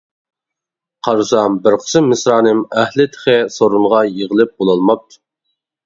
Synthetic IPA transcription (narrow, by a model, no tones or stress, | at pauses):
qʰɑɾusɑmbɪɾqʰə̥sɨmɪsɾɑːnɨmæhlɪt̪ʰə̥χesoɾunʁɑjeʁəlˠɪp̚bolˠɑlˠmɑp̚t̪ʰu̥